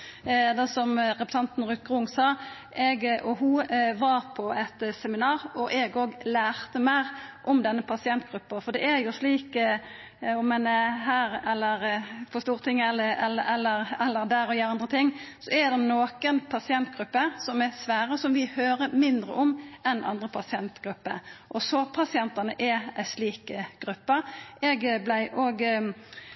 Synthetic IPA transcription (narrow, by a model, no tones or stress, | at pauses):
d̪ɛsɔmɾɛpɾəsɑnt̪n̩ɾʉːt̪̚ɡʁʊŋsɑː | ʔɛɡʔɔɦʊʋɑɾpʰɔɛt̪sɛmɪnɑːɾɔʔɛɡoːɡlæːʁt̪əmæɪɾʔɔmd̪ɛnːəpʰɑsɪɛnt̪̚ɡ̥ɾʉpːəfɔd̪ɛæjʊsliːk | ɔmɛnɛɦæːɾɛlːəɾfɔst̪uːɾt̪ʰɪŋɛləɛlːəɛlːəɾɛlːəɾd̪æːɾɔjəːɾɑnd̪ɾət̪ʰɪŋːsɔɛd̪ɛmnoːkənpʰɑsɪɛnt̪̚ɡɾʉpːəsɔmɛsʋæːɾəsɔmʋɪhøːɾəmɪnd̪ɾə̰ʔɔmʔɛnʔɑ̰nd̪ʁəpʰɑsɪɛnt̪ɡ̥ɾʉpːə̰ʔɔsɔpʰɑsɪɛnt̪ɑnəʔɛæɪsliːkəɡ̥ɾʉpːəɛɡblæɪʔoːɡ